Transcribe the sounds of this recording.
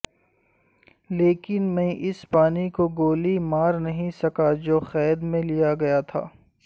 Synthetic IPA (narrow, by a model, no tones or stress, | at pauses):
leːkɪnmẽʔɪspaːnikoɡoːlimaːɾnɐɦĩsɐkad͡ʒoːxɛːd̪mẽlijaɡɐjat̪ʰa̰ː